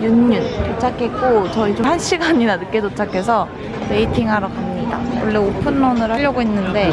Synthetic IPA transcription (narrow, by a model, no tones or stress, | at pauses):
junːɯntot͡ɕʰakʰet̚k͈ot͡ɕʌit͡ɕomhaɭɕ͈ʰiɡaɲiɾanɯk͈e̞dot͡ɕʰakʰe̞sʰʌ | ɾe̞itʰiŋɦaɾokamɲida̰wʌɭːe̞opʰɯnːʌnɯɾaʎːʌɡoinːɯnde̞